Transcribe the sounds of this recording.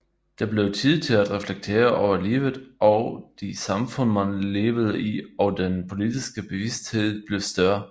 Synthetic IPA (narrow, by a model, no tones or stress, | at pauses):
d̥ɑ̈b̥le̝ʊt͡sʰið̰ˠt͡sʰe̝læd̥ʁɛfleɡ̥̚t͡sʰe̝̰ːɐʔɒʊɐlḭːʊð̩ˠʔɒd̥isɑ̈mfɔ̽n̰mænle̝ːʋəð̩ˠəiɒ̽d̥enpʰo̝lid̥isɡ̥əb̥e̝ʋisd̥he̝ð̰ˠb̥le̝ʊsd̥ɶɐ